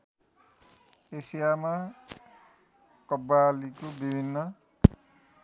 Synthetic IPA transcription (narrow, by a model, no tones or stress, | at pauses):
esijama | kʌbalikobibʱinːʌ